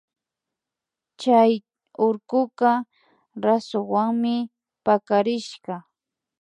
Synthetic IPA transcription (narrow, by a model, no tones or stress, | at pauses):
t͡ʃaj | ʊɾkʊka | ɾasʊŋwaŋmɪ | pakaɾɪʃɢɑ